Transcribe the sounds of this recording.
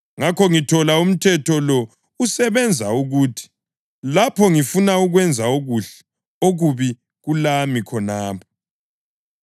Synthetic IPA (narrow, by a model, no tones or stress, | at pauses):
ŋakʰɔŋitʰɔlaum̩tʰɛtʰɔlɔ | usɛβɛnd͡zʱauɣutʰi̥ | lapʰɔŋifunauɣwɛnd͡zʱaoɣuɬɛ̥ | oɣuβi | ɣulamikʰɔnaːpʰɔ̥